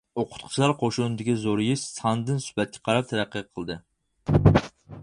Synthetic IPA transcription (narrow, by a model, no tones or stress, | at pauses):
oqʰʊ̥t̪̚qʰʊ̥t͡ʃʰlˠɑɾqʰoʃunɨd̪ɪkʲizoɾjiʃsɑnd̪ɨnsy̥pɛt̪̚kʲʰɛ̥qʰɑɾɑp̚t̪ʰæɾæqːəqʰːəlˠɨd̪ɨ